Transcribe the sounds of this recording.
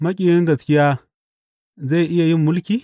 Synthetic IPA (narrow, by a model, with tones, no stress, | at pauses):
ma˦kʲʼi˨i˦nda˨t͡skʲi˦ja˦ | za˦i˨ʔi˦ja˨ji˦m˦mu˦lkʲi˦